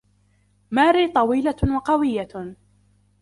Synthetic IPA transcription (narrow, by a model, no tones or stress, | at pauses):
maːɾiːt̪ˤɑwiːlawɑqɑwɪjːa